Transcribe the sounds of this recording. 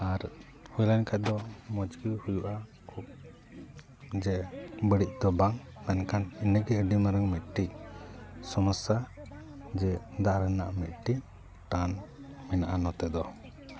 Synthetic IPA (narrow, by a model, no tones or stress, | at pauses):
aɾ | hujlankʰac̪̚d̪ɔmɔd͡ʒɡihujuʔa | kʰup̚ | d͡ʒɛbəɽic̚d̪ɔbaŋnankʰaninəɡɛəɖimaɾəŋmit̪̚ʈic̚ | sɔməsa | d͡ʒɛd̪aʔɾɛnaʔmit̪̚ʈiʔ̚ | ʈan | mɛnaʔanɔt̪ɛd̪ɔ